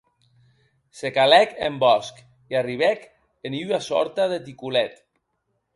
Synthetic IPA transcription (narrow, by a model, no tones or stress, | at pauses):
sekalɛkḛmbɔsk | iariβ̞ɛk | eniwasɔ̰ɾt̪aðet̪ikulɛt̪